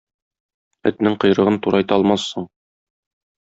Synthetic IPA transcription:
ɵ̰̆t̪nɘŋqɤ̆jɾɤ̆ʁɤnt̪uɾɑjt̪ɑɒlˠmɑsːɤɴ

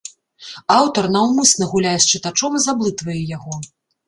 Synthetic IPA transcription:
awt̪ɐrnɐwmɨsnɐɣulʲajɛst͡ʂɨt̪at͡ʂɔmzablˠɨt̪vɐjɛjaɣɔ

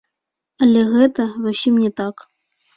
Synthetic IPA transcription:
ɐlʲɛɣɛt̪ɐzusʲimnʲɛt̪ak

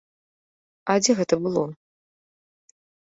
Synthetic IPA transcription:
ad͡zʲɛɣɛt̪ɐbɨlˠɔ

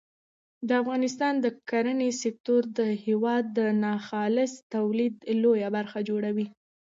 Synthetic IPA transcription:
d̪əafɣɑnɪst̪ɑnd̪əkaɾənesɪk̚t̪oɾd̪əhewɑd̪ːənɑxɑlɪst̪awlid̪lojabaɾxad͡ʒoɽawi

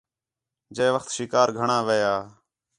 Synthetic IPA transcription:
d͡ʒeːʋəxt̪ʃɪkaːɾɡʱəɳaːʋejaː

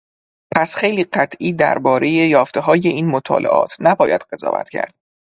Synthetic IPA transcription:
pʰæsxe̞jliːɢæt̪ʰʔiːd̪æ̰ɾbɒːɾe̞je̞jɒːft̪e̞ɦɒːje̞iːnmot̪ʰɒ̰ːlʔe̞̰ʔɒ̰ːt̪ʰnæbɒːjæd̪̥ɢe̞zɒ̰ːvæ̰t̪cʰæ̰ɾd̪̥

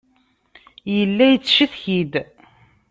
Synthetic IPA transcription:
jəlːæjət͡sːʃiθçid̪

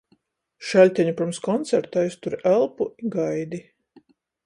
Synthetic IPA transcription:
ʃælʲt̪ʲæɲupɾɨmskɔnt̪sæɾt̪ajst̪uɾiʔælˠpuiɡajd̪i

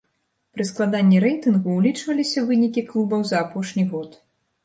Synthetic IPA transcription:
pɾɨsklˠad̪anʲːiɾɛjt̪ɨnɣuːlʲit͡ʂvɐlʲisʲɐvɨnʲikʲiklˠubɐwzɐːpɔʂnʲiɣɔt̪

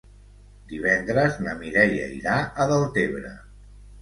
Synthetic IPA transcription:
d̪iβ̞ɛnd̪ɾəznəmiɾɛjə̰iɾaəðəlˠt̪eβɾə̰

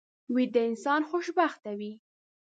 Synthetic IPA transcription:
wid̪əɪnsɑnxoʃbaxt̪awi

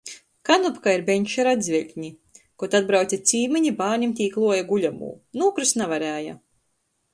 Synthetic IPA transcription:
kanupkaiɾbeɲʲʃaɾad̪zvʲɛlʲɲi | kɔt̪ad̪̚bɾawt̪sʲat̪sʲiːmiɲibaːɾɲʲimt̪ʲiːklˠuɔjaɡulʲamṵːnuːkɾusnavaɾæːja̰

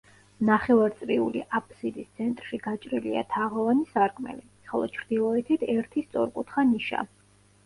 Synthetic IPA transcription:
naχɛvaɾt̪sʼɾiulḭʔapʰʼsid̪ist̪sʰɛnt̪ʼɾʃiɡat͡ʃʼɾilḭa̰t̪ʰaʁɔvanisaɾkʰʼmɛ̰li | χɔlˠɔt͡ʃʰɾd̪ilˠɔɛt̪ʰit̪ʰɛɾt̪ʰist̪sʼɔ̰ɾkʼut̪ʰχaniʃa̰

